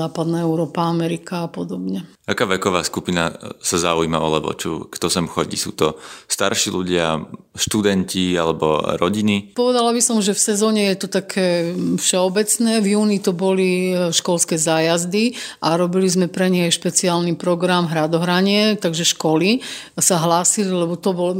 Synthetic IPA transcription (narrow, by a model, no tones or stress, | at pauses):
aːpad̪naɛʊɾɔːpaamɛɾikaːpɔd̪ɔbɲɛ | akaːʋɛkɔʋaːskupina̰sazauima̰ɔ̰lɛ̰ʋɔ̰t͡ʃṵkt̪ɔsɛmxɔɟḭsṵːt̪ɔst̪a̰ɾʃiluɟɪaʃt̪ud̪ɛncialɛbɔ̰ɾɔɟinipɔʋɛd̪alabisɔmʒɛfsɛzɔːɲɛjɛt̪ɔt̪akʰɛːfʃɛɔbɛt͡snɛːvjuːnit̪ɔbɔliʃkɔlskɛːzaːjazd̪iʔaɾɔbilizmɛpɾɛɲɛajʃpɛt͡siaːlnipɾɔɡɾamɦɾad̪ɔɦɾaɲɪɛt̪aɡʒɛʃkɔlisaɦlaːsililɛbɔt̪ɔbɔlɔ